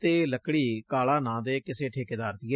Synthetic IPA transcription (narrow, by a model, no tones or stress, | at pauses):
t̪eːləkːɽiːkaːlaːnãːd̪eːkɪseːʈʰeːkɪd̪aːɾt̪iɛː